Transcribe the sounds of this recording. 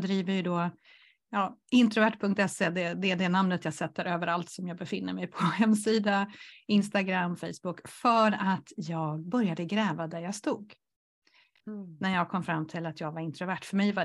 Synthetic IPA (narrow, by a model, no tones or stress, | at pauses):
d̪ɾiːvəɾjɵd̪ɔ | jɑːɪnt̪ɾʊvæʈːpʰɵŋkt̪ɛseːd̪ɛd̪ɛːɖ̪ɛnamnət̪jɑːɡsɛt̪ːəɾøːvəɾalt̪sɔmjɑːɡbɛfɪnːəɾmɛjpʰɔhɛmːsiːd̪aɪnst̪aɡɾamːfɛjsb̥ʊkfœɾat̪jɑːɡbœɾjad̪əɡɾɛːvad̪æɾjɑːɡst̪uːɡ | næɾjɑːɡ̚kʰɔmːfɾamːt̪ʰɪlat̪ʰjɑːɡvaɾɪnt̪ɾʊvæʈːfœɾmɛjva